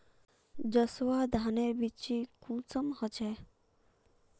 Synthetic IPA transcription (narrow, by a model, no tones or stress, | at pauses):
d͡ʒəswad̪ʱaneɾbit͡ʃikũt͡sɔmhɔt͡ʃʰɛ